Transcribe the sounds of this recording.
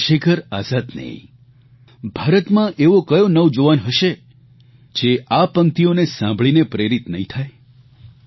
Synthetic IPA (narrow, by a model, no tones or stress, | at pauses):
ʃekəɾazad̪nə̰̃ɦḭ̃ | bʱaɾət̪mãʔeʋokəjonəʋd͡ʒoʋanɦəʃe | d͡ʒeapə̃ŋkt̪ionesãmbʱɭinepɾeɾit̪nə̰ɦĩt̪ʰaj